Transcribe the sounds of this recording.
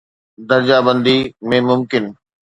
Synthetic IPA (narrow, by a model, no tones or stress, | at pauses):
d̪ɐɾd͡ʑabə̃nd̪imẽmʊmkɪn